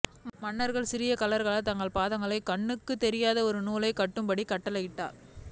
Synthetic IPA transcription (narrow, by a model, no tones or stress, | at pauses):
mɐɳːɐɾɣɐɭsɪɾɪjɐkɐlɐɾɣɐɭɐt̪ɐŋɡɐɭpaːðɐŋɡɐɭɐɪkɐɳːɯkːɯt̪ːɛɾɪjaːðɐɔɾɯnuːlɐɪkːɐʈːɯmbɐɽikɐʈːɐlɐjɪʈːa̰ːl